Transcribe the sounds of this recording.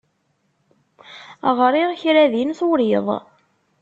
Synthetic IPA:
ʁɾˤiʁçɾæðinθʊɾiðˤ

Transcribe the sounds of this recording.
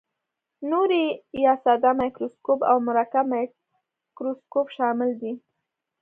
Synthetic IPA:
noɾijɑsɑd̪amajkɾoskopa̰wmʊɾakama | kɾoskopʃɑmɪld̪i

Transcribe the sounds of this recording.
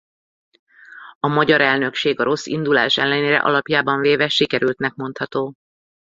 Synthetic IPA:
ɒmɒɟɒɾɛlnø̞kʃeːɡɒɾo̞sːḭnd̪ula̰ːʃɛ̰lːɛneːɾɛ̰ʔɒ̰lɒpjaːbɒɱveːvɛʃikɛɾylt̪nɛkmo̞nt̪hɒt̪oː

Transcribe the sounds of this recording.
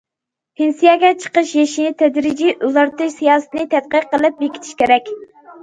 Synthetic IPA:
hɪnsijɛɡʲɛt͡ʃʰə̥qəʃjeʃinɪt̪ʰɛd̪ɾɪd͡ʒiʔuzɑɾt̪ʰɨʃsijɑːsɨt̪ɨnɨt̪ʰɛt̪̚qəqːəlˠɨp̚bekʲʰi̥t̪ʰi̥ʃkʲʰeɾɛkʲ

